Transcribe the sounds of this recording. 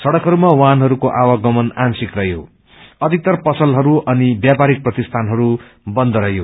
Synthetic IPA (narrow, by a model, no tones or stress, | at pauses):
sʌɽʌkɦʌɾumawanɦʌɾukoʔawaɡʌmʌnansikrʌɦjo̰ | ʌd̪ʱik̚t̪ʌrpʌsʌlɦʌɾuʌnibjapaɾik̚prʌt̪ist̪ʰanɦʌɾu | bʌnd̪ʌɾʌjo